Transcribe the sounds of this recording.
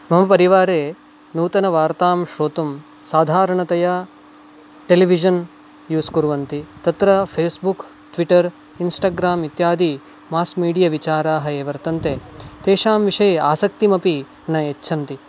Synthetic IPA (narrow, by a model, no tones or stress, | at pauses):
mɐmɐpɐɾiʋaːɾeː | nuːt̪ɐnɐʋaːɾt̪aːmʃoːt̪um | saːd̪ʱaːɾɐɳɐt̪ɐja | ʈeliʋid͡ʒɐn | juːskuɾuʋɐnt̪it̪ɐt̪ɾɐpʰeːsbuk | ʈʋiʈɐɾ | insʈaːɡɾaːmit̪jaːd̪ʱi | maːskmiːɽijɐʋit͡ʃaːɾaːɦɐeːʋɐɾt̪ɐnt̪et̪eːʃaːmʋiʂɐjeaːsɐk̚t̪imɐpi | nɐet͡ʃːʃʰɐnt̪i